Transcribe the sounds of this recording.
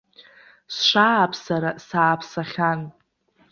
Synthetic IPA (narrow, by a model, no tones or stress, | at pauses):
sʃʷaːpʰsaɾasaːpʰsaχʲan